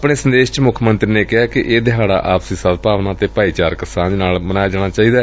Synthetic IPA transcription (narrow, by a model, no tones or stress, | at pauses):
pɽeːsənd̪eːʃt͡ʃmʊkʰmənt̪ɾiːneːkɪɦaːkɪʔeːd̪ɪɦaːɽa̰ːʔaːpsiːsad̪paːʋnaːt̪eːpaːiːt͡ʃaːɾkəsaːnaːlmənaːjaːd͡ʒaːɽ̃aːt͡ʃaːiːd̪aː